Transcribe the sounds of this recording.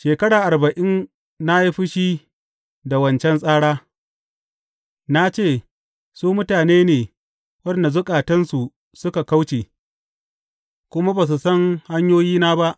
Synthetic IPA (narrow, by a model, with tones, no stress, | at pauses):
ʃeː˨kɐ˦ɽaː˨ʔa˨rbɐ˨ʔɪ˦n | na˦ji˦ɸɪ˦ʃiː˦ | da˨wɐ˦nt͡ʃɛ˦ns̬ʼaː˦ɽaː˦ | na˦t͡ʃeː˦˨ | suː˦mʊ˦taː˨neː˦neː˨ | wɐ˦nda˨zʊ˦kʼaː˨tɐ˦nsu˨ | sʊ˦ka˨ka˦wt͡ʃeː˨ | kʷʊ˦ma˦ba˨s̬u˨sɐ˦ŋha˦ɲjoː˦jiː˦naː˦ba˦ʔ